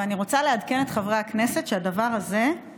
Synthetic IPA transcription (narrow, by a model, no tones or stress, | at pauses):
aniʁo̞t͡salead̪ke̞net̪χavʁeakne̞setʃeadavaʁaze̞